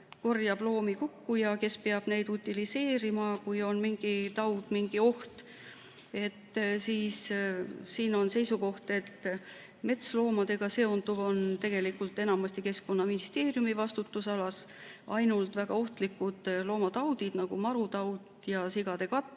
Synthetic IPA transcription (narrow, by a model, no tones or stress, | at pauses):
ko̞rjɑblo̞ːmikukːujɑke̞speɑb̥ne̞jd̪ut̪ʲːilise̞ːɾimɑkujo̞nmiŋɡ̥it̪ɑwd̪̥miŋɡ̥io̞ht̪ | e̞t̪ːsiːs | siːno̞nse̞jsuko̞ht̪e̞t̪ː | me̞t̪slo̞ːmɑd̪e̞ɡ̥ɑse̞ond̪uvo̞nt̪e̞ɡ̥e̞likːˑult̪ːˑe̞nɑmɑst̪ike̞sko̞nːɑminist̪e̞ːrjumivɑst̪ut̪ːusɑlɑsʔɑ̰jnult̪væɡ̥ɑo̞ht̪likːˑud̪̥lo̞ːmɑt̪ɑwd̪id̪̥nɑɡ̥umɑɾut̪ɑwt̪ | jɑsiɡ̥ɑd̪̥e̞kɑt̪ːˑ